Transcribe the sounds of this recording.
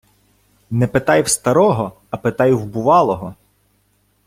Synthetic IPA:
nɛpet̪ɑjwst̪ɐɾɔɦɔ | ɐpet̪ɑjwbʊʋɑlˠɔɦɔ

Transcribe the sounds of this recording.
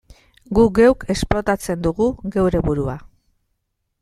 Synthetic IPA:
ɡuɡe̞wke̞splo̞t̪at͡se̞nd̪uɣuɣe̞wɾe̞βuɾua

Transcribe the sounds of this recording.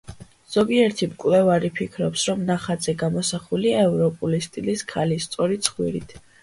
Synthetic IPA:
z̥ɔɡiɛɾt̪ʰimkʼlɛvaɾipʰikʰɾɔpsɾɔmnaχad̪zɛɡamɔsaχuliaɛvɾɔpʼulist̪ʼiliskʰalist̪sʼɔɾit̪sʰχwḭɾit̪ʰ

